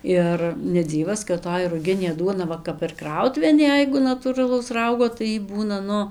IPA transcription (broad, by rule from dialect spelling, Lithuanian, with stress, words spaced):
ˈɪr nʲɛˈd͡zʲiːʋɐs kɐt toːj rʊˈɡʲɪnʲeː ˈduɔnɐ ˈʋɐ kɐp ɪr ˈkrɐʊtʊʋʲeːn ˈjɛɪɡʊ nɐtuːrɐˈlˠɐʊs ˈrɐʊɡoː tɐɪ ˈjiː ˈbuːnɐ ˈnʊ